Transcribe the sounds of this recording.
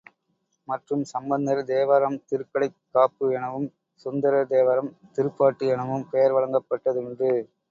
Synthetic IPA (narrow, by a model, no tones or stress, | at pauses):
mɐʈrɯmsɐmbɐnd̪ɐɾd̪eːʋɐɾɐmt̪ɪɾɯkːɐɽɐɪkːaːpːɯɛɳɐʋɯm | sʊnd̪ɐɾɐd̪eːʋɐɾɐmt̪ɪɾɯpːaːʈːɯɛɳɐʋɯmpejɐɾʋɐɭɐŋɡɐpːɐʈːɐðɯɳdrɯ